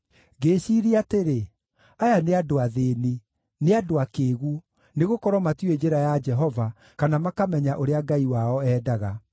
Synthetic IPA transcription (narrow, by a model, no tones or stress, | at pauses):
ɡeːɕiɾiateɾe | ajaneadoaðeni | neadoakeːɣuo | neɣokɔɾɔmatied͡ʑeɾajad͡ʒɛɦɔva | kanamakamɛɲaʔoɾeaɡaiwaɔɛːdaɣa